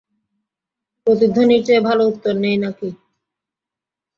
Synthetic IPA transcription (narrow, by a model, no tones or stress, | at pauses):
pɾot̪id̪ʱonit͡ɕebʱalout̪ːoɾnejnaki